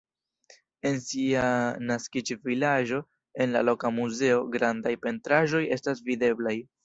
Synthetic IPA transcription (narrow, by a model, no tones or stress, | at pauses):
e̞nsianaskit͡ʃvilaʒo̞ | e̞nlalo̞kamuze̞o̞ɡɾandajpe̞ntɾaʒo̞je̞stas̬vide̞blaj